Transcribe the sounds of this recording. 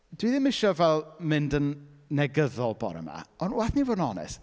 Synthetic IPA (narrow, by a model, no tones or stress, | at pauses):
d̥wiðɪmɪʃɔvɛlˠmɪndənːɛɡəðɔlˠbɔ̰ɾɛ̰ma̰ɔnwaθnivoːdnɔnɛ̰s